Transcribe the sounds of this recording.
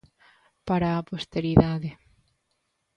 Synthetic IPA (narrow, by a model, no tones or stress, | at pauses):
paɾaːpost̪eɾiðaðe